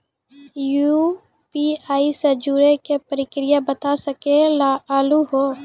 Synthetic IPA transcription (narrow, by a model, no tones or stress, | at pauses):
ju | piaːisəd͡ʒuːɾekepəɾɪkɾɪjabət̪asəkelaaːluɦoː